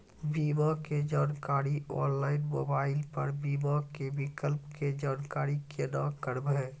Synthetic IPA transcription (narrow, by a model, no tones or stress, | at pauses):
biːmaked͡ʒaːnkaːɾiɔ̰ːnlaːɪnmoːbaːɪlpə̰ɾbiːmakebɪkəlpked͡ʒaːnkaːɾikʰenãkəɾbɛː